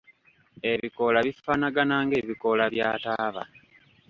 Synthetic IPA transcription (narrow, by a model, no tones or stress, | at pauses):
e̞βiko̞laβifːaːnaɡanaːŋɡe̞ːβiko̞laβjaːtaːβa̰